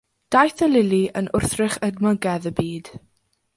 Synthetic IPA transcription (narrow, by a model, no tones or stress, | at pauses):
d̥ajθəlɪliʔənʔʊrθrɪχədmɔɡɛðəbiːd̥